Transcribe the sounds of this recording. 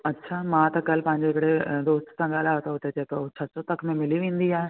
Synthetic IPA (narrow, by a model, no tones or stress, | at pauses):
ɐtːʃʰaːmãːt̪ɐkɐl̤pɐ̃ɦɪ̃ɲ̆d͡ʑeɪkɪɽed̪oːst̪sãɠaːl̤aːɦot̪aɦʊt̪ed͡ʑeːkeot͡ɕʰɐsot̪ɐkʰmẽmɪliʋẽːnd̪iaːɦe